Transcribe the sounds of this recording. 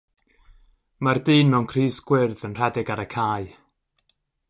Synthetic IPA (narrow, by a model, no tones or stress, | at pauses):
mardɨːnmɛwnkʰriːsɡ̥wɪrðənr̥ɛdɪɡaɾəkʰaːɨ